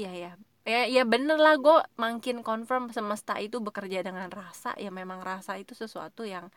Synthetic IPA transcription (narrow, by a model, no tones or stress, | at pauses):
jaja | jajabənərlahɡuamaŋkɪnkɔnfərmsəməst̪a̰ʔit̪ubəkərd͡ʒadəŋanrasa̰ʔjamemaŋrasait̪usəsua̰t̪ujaŋ